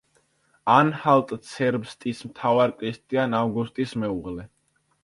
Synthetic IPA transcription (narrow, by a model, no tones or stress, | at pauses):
anhalt̪ʼt̪sʰɛɾbst̪ʼismt̪ʰavaɾkʼɾist̪ʼianavɡust̪ʼismɛuʁlɛ